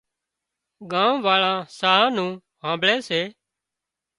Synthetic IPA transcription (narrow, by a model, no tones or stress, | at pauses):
ɡãːʋaːɭãːsaːãːnũː | ɦãːmbɭeːseː